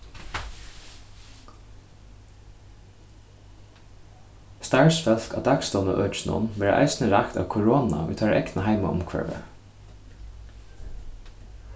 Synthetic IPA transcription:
st̪aɹsfœlkad̪ɑːɡst̪ɔːnə̰ʔœːt͡ʃnʊ̰nʋæːɹə̰ʔa̰ɪsnəɹakt̪a̰ːʋkʰʊɹoːna̰ʋṵːt̪ʰaɹʔɛknəɦaɪmaʔʊmkʰʋɛ̰ɹʋə̰

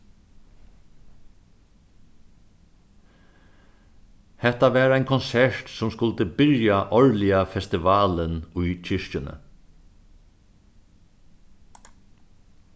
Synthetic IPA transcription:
hɛt̪aʋæːɾæjnkʰɔnsɛɹt̪sɔmskʊlt̪əbɪɾjaʔɔɹlɪafɛst̪ɪʋɑːlənʊjt͡ʃʰɪʂt͡ʃɪnə̰

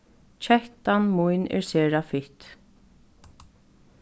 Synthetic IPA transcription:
t͡ʃʰɛht̪anmujnɛ̰ɹsɛːɹafɪht̪

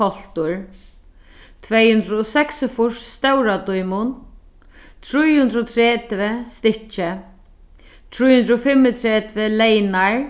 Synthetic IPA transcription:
ɔl̥t̪ʊɹ | t̪ʰvɛjhʉnd̪ɾʊɔsɛksɪfʊʂst̪ɛwɾat̪ujmʊn | t̪ʰɾujhʉnd̪ɾɔt̪ʰɾɛːt̪vɪst̪ɪht͡ʃɪ | t̪ʰɾujhʉnd̪ɾɔfɪmːɪt̪ʰɾɛːt̪vɪlɛjnaɹ

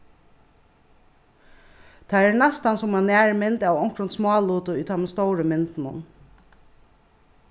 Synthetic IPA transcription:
t̪ʰææɹnɛst̪ɑnsʊmɑnæːɹmɪnt̪awɔŋkɹʊnsmɑːluːt̪ʊyːt̪ʰɑmɛst̪owɹəmɪnt̪nʊ̰n

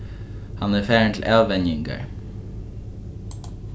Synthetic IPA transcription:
hɑnæfæːɹəɳt̪ʰl̩ʔɑːʋɛnjɪŋkə̰ɹ

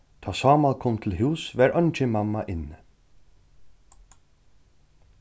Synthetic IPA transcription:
t̪ʰaːsɑːmalkʰɔːmt̪ʰɪlɦuːsvɛɹœnt͡ʃɪmamːaʔɪnː

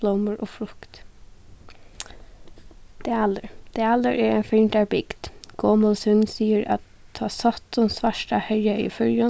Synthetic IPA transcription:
lɔməɹʔoːfɾʊkt̪ | d̪̥eːælːəɾd̪̥eːælːəɹʔæːɹeːnfɪnd̪æːbɪɡ̥d̪̥ɡ̥ɔːməlsʉnsiːəɾʔɑ̰t̪ʰɑːsɑt̪ʊnsʋæʃʈɑhœʏəḭːfʉɾjɑ

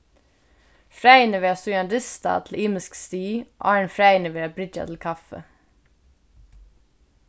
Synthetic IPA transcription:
fɾæɪnəʋeːɑsuːɑnɾɪst̪ɑ̰ːt̪ʰl̩ʔiːməskst̪ḭːʔɑːɹɳfɾæɪnəʋeːbɾɪd͡ʒɑ̰t̪ʰl̩kʰɑfə̰

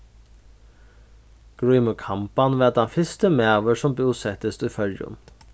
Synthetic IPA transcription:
ɡ̥ɹiːməkʰɑmpɑnʋeːɑd̪ɑnfɪst̪əmeːɑʋəʂɔmbuːsɛt̪əst̪ʉːfœljʊ̰n

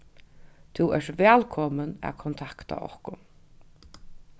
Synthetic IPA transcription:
t̪ʰuɛʂvɛːlkʰɔmənæ̰kʰɔnt̪ʰakt̪a̰ɔ̰hkʊ

